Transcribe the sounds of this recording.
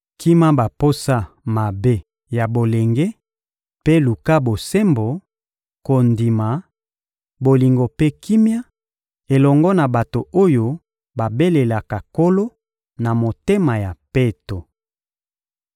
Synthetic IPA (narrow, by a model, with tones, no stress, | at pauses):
ki˦ma˦ba˨po˦sa˦ | ma˨be˦ | ja˨bo˨le˨ŋɡe˦ | pe˦lu˨ka˦bo˨se˦mbo˨ | ko˨ndi˨ma˨ | bo˨li˨ŋɡo˨pe˦ki˦mja˦ | e˨lɔ˨ŋɡɔ˦na˨ba˨to˨o˦jo˦ | ba˨be˦le˨la˨ka˨ko˦lo˦ | na˨mo˨te˦ma˨ja˨pe˦to˨